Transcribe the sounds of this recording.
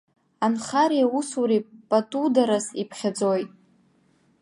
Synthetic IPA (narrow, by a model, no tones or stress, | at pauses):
anχaɾijausuɾipʼatʼudaɾasipʰχʲad͡zojtʼ